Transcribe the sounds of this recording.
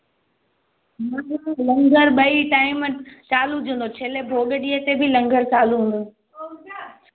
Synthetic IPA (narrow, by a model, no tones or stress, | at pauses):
mãːalɐ̃ŋɡʱəɾɓɐiʈaːɪmt͡ɕaːlud͡ʑə̃ːnd̪ot͡ɕʰeːlebʱoːɡəɗiːɦet̪ebʱɪlɐ̃ŋɡʱəɾt͡ɕaːluɦũːn̆d̪u